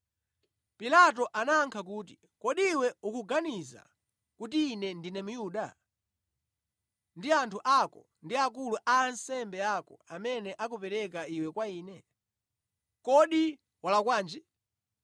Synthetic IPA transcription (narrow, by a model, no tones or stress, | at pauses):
pilat̬ɔʔanaːŋkʰak̬uːt̬i | kɔɗiwɛukuɡaniza̰ | kutiːnɛndinɛmujuːɗa̰ | ndiantʰuʔakɔ̰ | ndiakuluʔaːnsɛmbɛakɔ̰amɛnɛʔak̬upɛɾɛk̬aiwɛkwaiːnɛ | kɔɗi | walakwaːnd͡ʒi